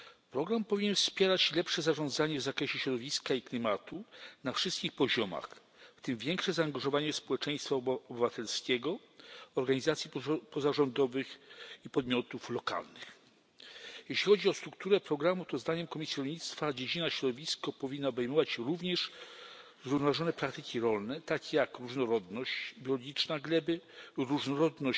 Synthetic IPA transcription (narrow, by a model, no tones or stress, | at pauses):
pɾɔɡɾampɔvʲiɲɛnfspʲjɛɾat͡ɕlɛpʂɛzaʐɔ̃nd̪zaɲɛvzakɾɛɕɛɕɾɔd̪ɔvʲiskaiklʲimat̪unafʂɨst̪kʲixpɔʑɔma̰x | ft̪ɘmvʲjɛŋkʂɛzaːŋɡaʐɔvaɲɛspɔwɛt͡ʂɛ̃j̃st̪faɔbɘvat̪ɛlskʲɛɡɔ | ɔɾɡaɲizat̪sʲjipɔzaʐɔnd̪ɔvɘxipɔd̪̚mʲjɔt̪uflɔka̰lnɘx | jɛɕlʲixɔd͡ʑiɔst̪ɾuk̚t̪uɾɛpɾɔɡɾamut̪ɔzd̪aɲɛmkɔmʲisjaɾɔlɲit̪st̪fad͡ʑed͡ʑinaɕɾɔd̪ɔvʲiskɔpɔvʲinːaɔbɛjmɔvat͡ɕɾuvɲɛʂ | zɾuvnɔvaʐɔnɛpɾak̚t̪ɘkʲiɾɔlnɛt̪akʲejakɾuʐnɔɾɔd̪nɔɕt͡ɕbʲjɔlɔɡʲit͡ʂnaɡlɛbɘɾuʐnɔɾɔd̪nɔ